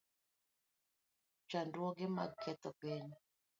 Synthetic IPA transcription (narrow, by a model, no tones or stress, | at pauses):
t͡ʃandwɔɡɪma̰ɡkʰɛt̪ɔpeɲ